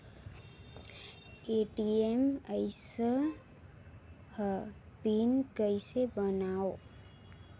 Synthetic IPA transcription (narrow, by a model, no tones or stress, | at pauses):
eʈieməɪsə | h | pinkəɪsebənao